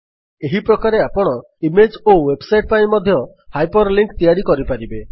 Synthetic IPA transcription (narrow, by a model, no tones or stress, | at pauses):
eɦipɾɔkaɾeapɔɽ̃ɔ | imed͡ʒowebsajʈ̚paĩmɔd̪ʱjɔ | hajpɔɾliŋkt̪ijaɾikɔɾipaɾibe